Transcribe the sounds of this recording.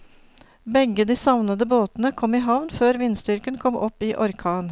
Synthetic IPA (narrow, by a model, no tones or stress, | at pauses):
bɛɡəd̪iːsɑʋnəd̪əboːt̪nəkʰɔmiːɦɑʋnføːɾʋɪnst̪ʏɾkənkʰɔmʔɔpiːʔɔɾkʰɑːn